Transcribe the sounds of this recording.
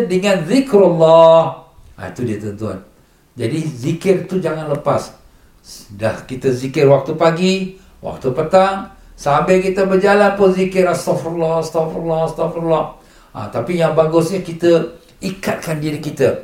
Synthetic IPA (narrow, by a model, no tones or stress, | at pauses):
dəŋãnzikɾɔlːɔh | a̰it̪udiət̪ənt̪ua̰n | d͡ʒadizikɪrt̪ud͡ʒaŋãnləpas | dahkit̪əzikɪrwak̚t̪upaɡi | wa̰k̚t̪upət̪aŋ | sambɪkit̪əbərd͡ʒalanpʊnzikɪɾast̪ɔfalɔhst̪ɔflɔst̪ɔflɔh | a̰t̪apijaŋbaɡʊsɲəkit̪ə | ikat̪̚kandiɾikit̪ə